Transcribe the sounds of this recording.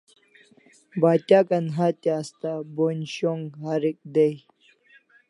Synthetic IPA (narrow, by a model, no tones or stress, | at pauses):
baːt̪ʲakɐnɦat̪aːst̪abonɕoŋɡɦaɾik̚d̪ej